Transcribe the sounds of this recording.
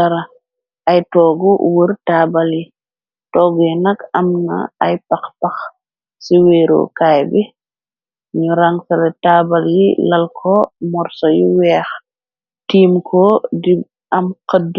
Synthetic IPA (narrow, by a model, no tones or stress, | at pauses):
ɐɾɐ | ɐjtɔːɡuwərtaːbɐlji | tɔːɡujɛnɐkɐmnɐ̰ɐjpɐxpɐx | siweːɾo̰kaːjbi | ɲuɾɐŋsɐlɛtaːbɐljḭlɐlkʰɔmɔɾsɔjiwɛːx | tiːmkʰɔdi | ɐmkəd